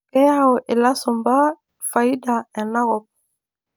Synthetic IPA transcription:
ɛ˦a˦wo˨ʔe˨la˦sɔ˨mba˦ | fa˨i˦da˨ɛ˨na˦ɣɔ˨p̚

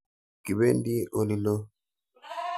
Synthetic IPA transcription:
ki˨be˦ndi˦ʔo˨li˨lo˦

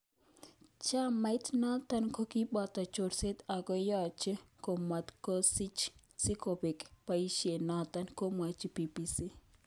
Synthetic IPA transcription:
t͡ʃa˦ma˨ɪ˦tna˦t̪a˦nko˦ki˦ɓɔ˦˨t̪a˨t͡ʃo˨ɾse˦t̪a˨ɡɔ˦jɔ˦t͡ʃko˨ma˨t̪ko˦si˦t͡ʃ | si˦ko˨be˨kpa˨i˦ʃje˨na˦t̪a˦nko˦mwa˨t͡ʃi˦pi˨pi˨si˦

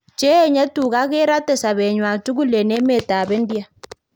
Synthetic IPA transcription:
t͡ʃɛː˦˨ɲɛ˦tu˨ɣa˦ɣe˦ɾa˦tɛ˨sa˨βɛ˨ɲwa˨tu˦ɣu˦lɛ˨nɛ˦mɛ˦˨ta˨βɛ˦ndi˦a˨

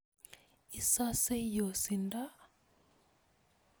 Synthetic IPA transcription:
i˨sa˦se˦jo˨si˨nda˦

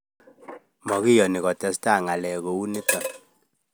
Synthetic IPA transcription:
mɔ˨ki˦jɔ˨ni˨kɔ˨tɛ˨sta˦˨ŋa˨lɛ˨ko˨u˦ni˦tɔ˨n

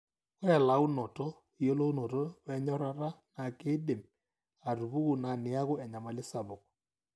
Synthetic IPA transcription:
kɔ˦ɛ˨la˨˦u˦nɔ˨tɔ˦ | i˨jo˦lo˦u˦nɔ˨tɔ˦βɛ˦ɲɔ˦ɾa˦ra˦na˨ke˦de˨m | a˨ɾu˨bu˦ku˨na˨nɪ˨˦a˦kʊ˦ɛ˨ɲa˨ma˨lɪ˦sa˨bɔ˨k̚

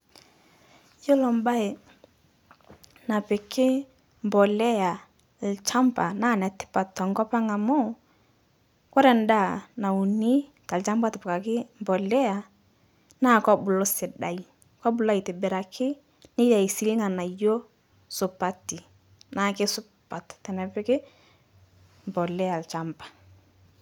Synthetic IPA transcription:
jo˦lɔ˨mba˦ɪ˨ | na˨pɪ˨kɪ˦ | mbɔ˨lɛ˦ja˨ | lt͡ʃa˦mba˨na˦˨nɛ˨tɪ̥˦pa˨tɔ˨ŋɡɔ˦pa˦ŋa˨mɔ˦ | kɔ˦ɾɛ˨nda˦˨na˨u˨ni˦ | ta˨lt͡ʃa˦mba˦tɪ˨pka˨kɪ˦mbɔ˨lɛ˦ja˨ | na˦˨kɔ˦bʊ˨lɔ˦sɪ˨da˨i˦ | kɔ˦bʊ˨la˦i˨tɪ˨bɪ˨ɾa˨kʰɪ˦ | nɪ˦ja˨i˨si˦lŋa˨na˨jo˦ | sʊ˨pa˨ti˨ | naː˨kɪ˦sʊ˦pa˨ttɛ˨nɛ˨pɪ˦kɪ˦ | mbɔ˨lɛ˦ja˨lt͡ʃa˦mpḁ˨

